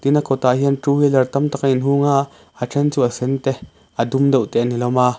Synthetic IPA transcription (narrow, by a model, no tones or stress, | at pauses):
t̪inakʰɔt̪aːɦiənʈuːhiːlɛrt̪ɐmt̪akʔinɦuŋaʔ | aʈ͡ʂʰɛnt͡suʔəsɛnt̪ɛ | ʔədumdɔwʔt̪ɛʔnilɔmaː